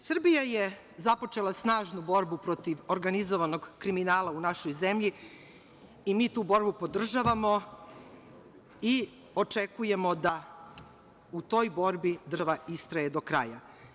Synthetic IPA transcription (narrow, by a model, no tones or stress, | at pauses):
sr̩bijaje̞ | zapo̞t͡ʂe̞lˠasnaːʒnubo̞ɾbupɾo̞t̪iʋoɾɡanizoʋano̞ɡkɾiminaːlˠaunaʃojze̞mʎi | imiːt̪uːbo̞ɾbupo̞d̪r̩ʒaʋamo̞ | i | o̞t͡ʂe̞kuje̞mo̞d̪a | ut̪o̞ːjbo̞ɾbid̪rʋaist̪ɾaje̞d̪o̞kɾa̰ja